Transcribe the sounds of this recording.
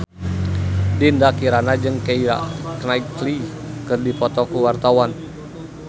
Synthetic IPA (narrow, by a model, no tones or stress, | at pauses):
dindakiɾanad͡ʒɨŋkeiɾa̰knaikli | kɨrdipɔt̪ɔkuwart̪awan